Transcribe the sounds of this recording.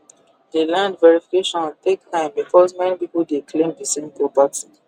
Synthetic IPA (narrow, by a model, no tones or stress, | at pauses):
delãndvɛɹifikeʃɔ̃ntek̚tãɪ̃mbikʰɔzmɛnipipuldeklẽmdisẽmpʰɹɔpati